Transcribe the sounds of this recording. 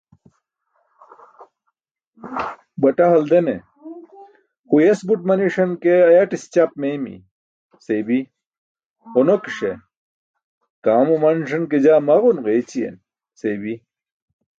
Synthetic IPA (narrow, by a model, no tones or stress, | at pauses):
bɐʈɐɦɐld̪ene | xujesbuʈ̚mɐniʂɐnkeɐjɐʈist͡ɕɐp̚meːmḭ | sebi | honokʂe | kaːmumɐnʂɐnked͡ʑaːmɐʁunʁeːt͡ɕijḛn | sebi